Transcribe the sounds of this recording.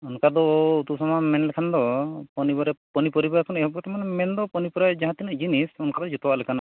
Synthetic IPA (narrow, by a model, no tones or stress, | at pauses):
unkad̪ɔut̪usɔmamɛnlɛkʰand̪ɔpɔnibɔɾɛpɔnipɔɾibaɾɛkʰɔnɛjɦɔbɔt̪amɔnɛmɛnd̪ɔpɔnipɔɾajd͡ʒaɦãt̪inəʔd͡ʒinisunkad̪ɔd͡ʒut̪ɔbaʔlɛkʰana